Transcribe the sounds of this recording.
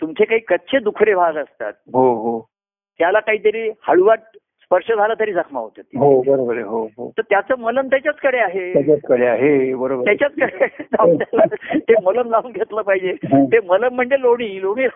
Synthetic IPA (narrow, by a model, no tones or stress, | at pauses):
t̪umt͡sʰekaɦiːkətːɕʰed̪ukʰɾebʱaɡəəst̪a̰t̪̚ɦoɦoː | jalakaɦiːt̪əɾiːhaɭuʋaʈ̚ | spəɾʂəd͡zʱaləːt̪əɾiːd͡zəkʰma̰ɦot̪ət̪ːiɦobəɾobəɾəɦoɦo̰t̪əɾt̪jat͡səːmələmt̪jat͡ɕjat͡skəɽeaɦeat͡ɕat͡skəɽeaɦebəɾobt̪jat͡ɕat͡skəɽed͡zawũd̪alət̪emələmd͡zaunɡʱet̪ləpaɦid͡ʑet̪emələm̤ːəɳd͡zeloɽ̃iːloɽ̃iː